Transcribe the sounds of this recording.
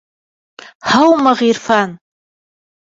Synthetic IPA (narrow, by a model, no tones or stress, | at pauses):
ħawmaʁirfan